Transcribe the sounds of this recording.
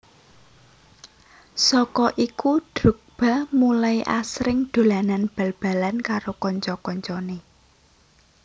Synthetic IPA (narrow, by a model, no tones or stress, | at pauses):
sɔkɔʔikuɖ̥ɾṳk̚b̥a̤mulaiʔasɾɪŋɖ̪̥o̤lananb̥a̤lb̥a̤lankaɾokɔɲt͡ʃɔkɔɲt͡ʃɔne